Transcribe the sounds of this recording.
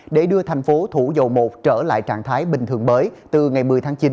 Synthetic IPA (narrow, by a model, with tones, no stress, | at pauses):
ɗe˧˩ɗɨ˧ət̪ʰa˨˩jŋ̟fo˨˦t̪ʰu˧˩zo̰˧˨wmo˨˩t̚t͡ɕəː˧˩la̰ː˧˨jt͡ɕa̰ː˧˨ŋt̪ʰaː˨˦jɓï˨˩ŋ̟t̪ɨ˨˩əŋməː˨˦jt̪ɨ˨˩ŋa˨˩jmɨ˨˩əjt̪ʰaː˨˦ŋt͡ɕi˨˦n